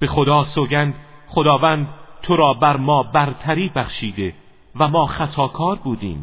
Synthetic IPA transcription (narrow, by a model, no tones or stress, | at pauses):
b̥e̞xod̪ɒːsoɟænd̪χod̪ɒːvæːnd̪t̪ʰoɾɒːbæɾmɒːbæɾt̪ʰæɾiːbæχʃiːd̪e̞ | væmɒːχæt̪ʰɒːkʰɒːɾbuːd̪ḭːm